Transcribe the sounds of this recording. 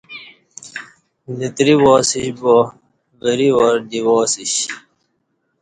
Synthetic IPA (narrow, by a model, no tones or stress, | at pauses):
lit̪ɾiwoːsiɕbo | ɣəɾiwoɾdiwoːsiɕ